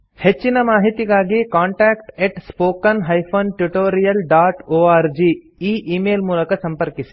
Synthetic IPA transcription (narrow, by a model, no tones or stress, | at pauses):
het͡ʃːinɐmaːɦit̪iɡaːɡikaːɳʈaːkʈeʈspoːkɐnɦɐjpʰoːnʈjuʈoːɾijɐlɖaːʈoːaːɾd͡ʒiː | iːʔiːmeːlmuːlɐkɐsɐmpɐɾkisi̥